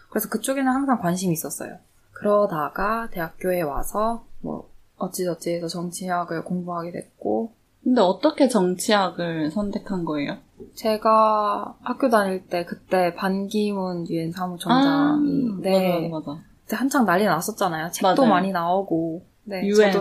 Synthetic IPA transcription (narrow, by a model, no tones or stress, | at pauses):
kɯɾe̞sʰʌkɯt͡ɕ͈oɡenɯnhaŋsʰaŋkwanɕ̬ʰimiːs͈ʌs͈ʌ̰jo̰ | kɯɾʌdaɡate̞ɦak̚k͈joe̞wa̰sʰʌmwʌ̰ | ʌt͡ɕ͈id͡ʑʌt͡ɕ͈ʰiesʰʌt͡ɕʌŋt͡ɕʰiɦaɡɯɭkoŋbuɦaɡedwe̞̰k̚k͈o | kɯnde̞ʌt͈ʌkʰe̞t͡ɕʌŋt͡ɕʰiɦaɡɯɭsʰʌntʰe̞kʰanɡʌejo | t͡ɕe̞ɡahak̚k͈jodaɲiɭt͈e̞kɯt͈e̞panɡimɯnjue̞nsʰamut͡ɕʌaŋine̞aa | tehant͡ɕʰaŋnaʎːinas͈ʌt̚t͡ɕ͈anajot͡ɕet͈omaɲinaoɡo | ne̞do